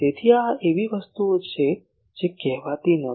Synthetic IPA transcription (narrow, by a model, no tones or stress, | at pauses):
t̪et̪ʰiaeʋiʋəst̪uot͡ʃʰe | d͡ʒekɛɦʋat̪inə